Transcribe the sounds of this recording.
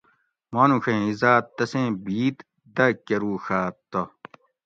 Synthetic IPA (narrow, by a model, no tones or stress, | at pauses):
moːnuxẽizaːt̪ːɐsẽːbiːt̪ | d̪ɐkɐɾuːxaːt̪ːo